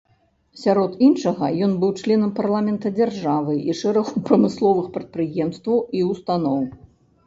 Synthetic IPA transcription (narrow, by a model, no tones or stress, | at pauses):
sʲaɾɔt̪inʂɐɣɐjɔnbɨwt͡ʂlʲɛnɐmparlˠamʲɛnt̪ɐd͡zʲarʐavɨʔiʂɛɾɐxupɾɐmɨslˠɔvɨxpɾɐt̪̚pɾɨjɛmst̪vɐwiust̪anɔw